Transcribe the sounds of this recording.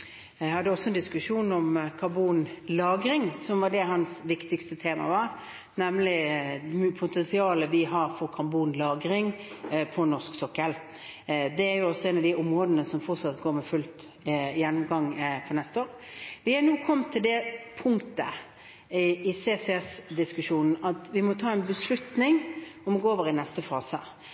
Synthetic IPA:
jhɑd̪ːəɔsɔɛnd̪ɪskʉʂuːnɔmkʰɑbuːnlɑːɡɾɪŋsɔmʋɑd̪ɛɦɑnsʋɪkt̪ɪkst̪ət̪ʰeːmɑ̰ʋɑɾ | nɛmlɪ | pʰʊt̪ʰɛnsɪɑːləʋɪɦɑɾfɔɾkʰɑbuːnlɑːɡɾɪŋpʰɔnɔʂksɔkːəl | d̪ɛæɾjʊɔsɔɛːnɑʋd̪ɪʊmɾoːd̪ənəsɔmfɔɾt̪sɑt̪ɡoːɾmɛfʉlt̪ | jɛnːʊmɡɑŋfɔʁnɛst̪əoːɾʋɪhænuːkʰɔmːt̪ʰɪld̪ɛpʰʊŋt̪ə | ɪseːsɛɛsd̪ɪskʉʂuːnn̩ɑt̪ʋɪmɔt̪ʰɑːɛnbəslʉt̪nɪŋɔmɔɡoːoːʋəɾɪnɛst̪əfɑːsə̰

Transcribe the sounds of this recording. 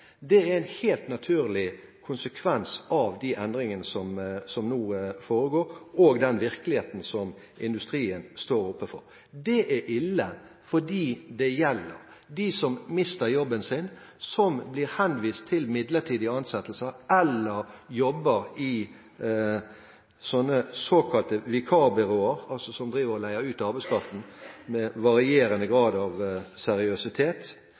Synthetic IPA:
d̪ɛæɾɛɪnheːlt̪nɑt̪ʰʉːɾlɪkʰʊnsəkʰʋɛnsɑʋd̪iʔɛnd̪ɾɪŋənəsɔmsɔmnuːfoːɾəɡoːɾoːɡd̪ɛnʋɪʁkəlɪheːt̪n̩sɔm | ɪnd̪ʉst̪ʁiːənst̪oːɾʊpːəfɔ̰ɾ | d̪ɛʔæʔɪlːə | fɔɖiːd̪ɛjɛlːə̰ɾ | d̪isɔmmɪst̪əɾjɔbːənsɪn | sɔmbliːɾhɛnʋiːst̪ʰɪlmɪd̪ləʈʰiːd̪ɪəɑnsɛt̪l̩səʔɛlːəɾjɔbːəɾɪ | sɔnːəsoːkʰɑlt̪əʋɪkʰɑːbɪɾoːəɾɑlsɔsɔmd̪ɾiːʋəɾɔlæɪəʉːt̪ɑɾbæɪskʰɾɑft̪n̩mɛʋɑɾɪeːɾənəɡɾɑːd̪ɑʋsɛɾɪœsɪt̪ʰeːt̪

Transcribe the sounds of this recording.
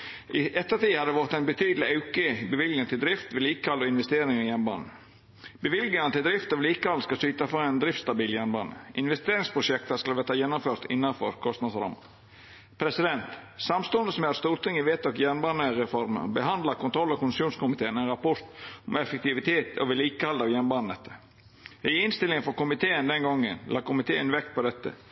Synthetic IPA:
ʔɪʔɛt̪ːəɾt̪iːhɑd̪ɛʋɔɾt̪ɛɪnbət̪ʰyːd̪əlɪɑʉkəbəʋɪlɡnəŋt̪ʰɪld̪ɾɪft̪ʋɪliːkkɑlɔɪnʋɛst̪eːɾɪŋɪjænbɑ̰ːnə | bəʋɪlɡənət̪ʰɪld̪ɾɪft̪ɔʋliːkkɑlːskɑsyːt̪ɑfɑɛnd̪ɾɪft̪st̪ɑbiːljænbɑ̰ːnə̰ʔɪnʋɛst̪eːɾɪŋspʰɾʊʂɛk̚t̪skɑlʋɛːt̪ɑjɛnːʊmføːɾt̪ɪ̰nːɑnfɔ̰ɾkʰɔst̪nɑd̪sɾɑ̰mə̰ | pʰɾɛsɪd̪ɛnt̪sɑmst̪ɔnd̪əsɔmɑst̪uːɾt̪ʰɪŋɪʋeːt̪ʰɔkjænbɑnəɾɛfɔɾmə̰ɾbəɦɑnd̪lɑkʊnt̪ʰɾɔlːɔkʊnsuːnskʊmɪt̪eːənɛnɾɑpɔɾt̪ɔmɛfɛk̚t̪ɪʋɪt̪ʰeːt̪ʰɔ̰ʋɪliːkəhɑld̪ɑʋjænbɑnənɛt̪ːə | ɪɪnst̪ɪlɪŋənfɔɾkʊmɪt̪ʰeːənd̪ɛnɡɔŋːənlʔɑːkʊmɪt̪ʰeːənʋɛkt̪̚pɔd̪ɛt̪ːə̰

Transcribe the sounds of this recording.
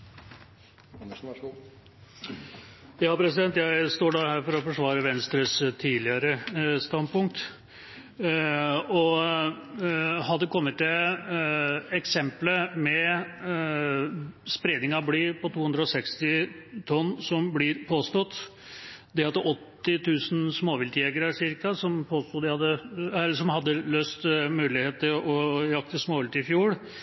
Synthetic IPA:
jɑːpʰɾɛsɪd̪ɛnt̪jæɪst̪oːɖɑhæːɾfɔɾɔfɔʂʋɑːɾəʋɛnst̪ɾəst̪ʰiːlɪəɾəst̪ɑnd̪̚pʊŋk̚t̪ | ɔ | hɑd̪əkʰɔmːət̪ːɛ | ɛksɛmpləmɛ | spɾeːd̪nɪŋɑbliːpɔt̪ʰuːhʉnd̪ɾəɔsɛkst̪ɪt̪ʰɔnːsɔmblɪɾpʰoːst̪ɔt̪ː | d̪ɛhɑd̪əʔɔt̪ːɪt̪ʰʉːsn̩smoːʋɪlt̪ɪɛɡəɾəʂɪɾkɑsɔmpʰoːst̪uːd̪ɛhɑd̪əɛsɔmhɑd̪ːəløːst̪mʉːlɪheːt̪əɾɔjɑk̚t̪əsmoːʋɪlt̪ɪɪfjuːɽ

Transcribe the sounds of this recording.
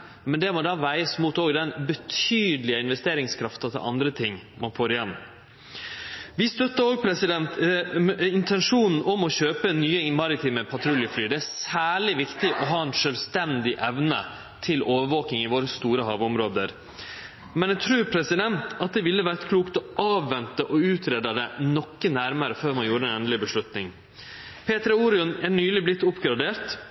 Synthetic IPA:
mɛnd̪ɛmɔd̪ɑːʋæɪəsmuːt̪oːɡd̪ɛnbət̪ʰyːd̪əlɪəɪnʋɛst̪eːɾɪŋskʰɾɑft̪ɑt̪ʰɪ̰ʔɑ̰nd̪ɾət̪ʰɪŋːmɑnfoːɾɪjɛnː | ʋɪst̪œt̪ːəoːɡ̚pʰɾɛsɪd̪ɛnt̪ | ɪnt̪ʰɛnʂuːnn̩ʔɔmɔɕøːpənyːəmɑɾɪt̪ʰiːməpʰɑt̪ʰɾʉljəflyːd̪ɛæsæːɭɪʋɪkt̪ɪʔɔɦɑːɛnʂœlʋst̪ɛnd̪ɪʔɛʋnə̰ | t̪ʰɪloːʋəɾʋoːkɪŋɪʋoːɾəst̪uːɾəɦɑ̰ːʋʊmɾoːd̪əɾ | mɛnɛɡt̪ʰɾʉːɾpʰɾɛsɪd̪ɛnt̪ɑt̪̚d̪ɛʋɪlːəʋæɾt̪kʰluːkt̪ɔʔɑːʋːɛnt̪əʔɔʉːt̪ʰɾeːd̪ɑd̪ɛnɔkːənæɾməɾəføːɾmɑnjuːɾəɛnɛnlɪbəʂɭʉt̪nɪŋ | pʰeːt̪ɾəuːɾɪʊnæɳyːlɪblɪt̪ːʊpɡɾɑd̪eːɾt̪

